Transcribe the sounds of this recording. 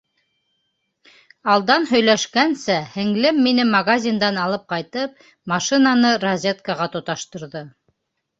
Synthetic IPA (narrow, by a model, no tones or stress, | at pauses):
ɑlˠd̪ɑnɦɵ̆jlæʃkænsæhɘ̆ŋlɘmːinɘmɐɡazʲind̪ɑnɑlˠɤp̚qɑjt̪ɤp̚ | mɑʃinɑnɤɾɐzʲet̪kɑʁɑt̪ŏt̪ɑʃt̪ɤ̆ɾðɤ